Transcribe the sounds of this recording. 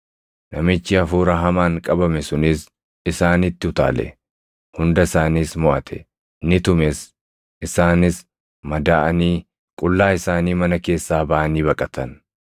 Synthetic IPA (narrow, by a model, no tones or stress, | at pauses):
nɐmɪt͡ʃːɪɐfuːɾɐɦɐmaːŋkʼɐbɐmɛsʊnɪs | ɪsaːnɪt̪ːɪʊt̪a̰ːlɛ̰ | hʊnd̪ɐɪsaːniːsmɔʔɐt̪ʰɛ̰ | nɪt̪ʊmɛs | ʔɪsaːnɪs | mɐd̪aːʔɐniː | kʼʊlːaːɪsaːniːmɐnɐke̞ːsːaːbɐʔɐniːbɐkʼɐt̪ʰɐn